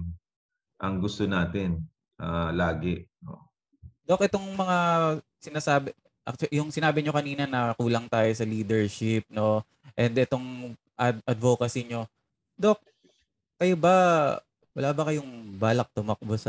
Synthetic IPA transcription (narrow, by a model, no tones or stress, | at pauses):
ʔɐŋɡʊst̪onaːt̪ɪn | ʔalaːɡɛʔno̰ | d̪o̞k̚ʔɛt̪o̞ŋmɐŋa | sɪnaːsaːbɪ | ʔɐ̰k̚jʊŋsɪnaːbɪɲo̞kɐniːnɐnɐkuːlɐŋt̪aːjo̞sɐliːd̪ɛɹʃɪp̚no̞ | ʔɛnd̪ʔɛt̪o̞ŋ | ʔɐdʔɐd̪voːkɐsɪɲo̞ | d̪ok̚ | kɐjobɐ | wɐlaːbɐkɐjʊŋbaːlɐk̚t̪ʊmɐk̚bos